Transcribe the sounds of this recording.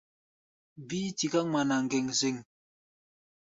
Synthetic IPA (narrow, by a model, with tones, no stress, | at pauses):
biː˦ti˨ka˦ma˨na˨ŋ̩˨ɡe˨ŋze˦˨ŋ